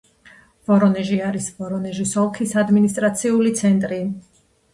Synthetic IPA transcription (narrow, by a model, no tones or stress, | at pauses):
v̥ɔɾɔnɛʒiaɾisvɔɾɔnɛʒisɔlˠkʰisad̪minist̪ʼɾat̪sʰiulit̪sʰɛnt̪ʼɾi